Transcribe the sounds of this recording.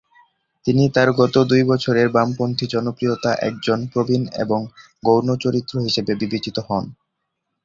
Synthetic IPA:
t̪init̪aɾɡɔt̪od̪ujbɔt͡ɕʰoɾeɾbampont̪ʰid͡ʑɔnopɾijot̪aʔɛ̰k̚d͡ʑonpɾobʱinḛboŋ | ɡownot͡ɕoɾit̪ːɾoɦiʃebebibet͡ɕit̪oɦɔn

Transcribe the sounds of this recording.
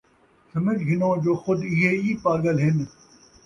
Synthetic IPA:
sɐmɪd͡ʒɡɪnõːd͡ʒoːxʊd̪ɪɦeːiːpaːɾɡəlɦɪn

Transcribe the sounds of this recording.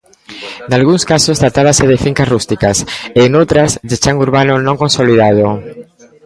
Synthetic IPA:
nalɣuŋskasost̪ɾat̪aβ̞aseðefiŋkasrust̪ikaseːnowt̪ɾasdet͡ʃaŋuɾβanonõŋkõnsoliðað̞o

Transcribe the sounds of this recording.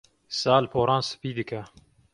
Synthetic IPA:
saːlpʰoːɾɑːnsɨ̥piːd̪ɨkʰɛ

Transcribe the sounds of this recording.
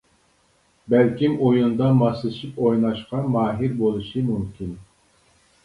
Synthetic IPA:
bælkʲimojund̪ɑmɑslˠɨʃipojnɑʃqɑmɑːɦiɾbolˠɨʃimumkʲʰin

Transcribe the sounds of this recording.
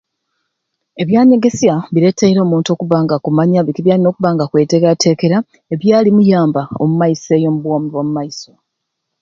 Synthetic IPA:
e̞βjaːɲe̞ɡe̞sjaβiɾe̞tʰːeiɾo̞ːmuːntuo̞ːkuβaːŋɡakumaɲaβikiβjaːlino̞ːkuβaːŋɡakwe̞ːteɡatʰe̞ke̞ɾa | e̞βjaːlimujaːmbao̞̰mumajise̞ːjo̞muβwoːmuβomumajiso

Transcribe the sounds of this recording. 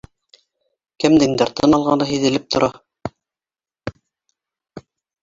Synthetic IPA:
kɘmd̪ɘ̆ŋd̪ɘɾt̪ʰɤnɑlˠʁɑnɤɦiðɘ̆lɘp̚t̪ʰŏɾʔɑ

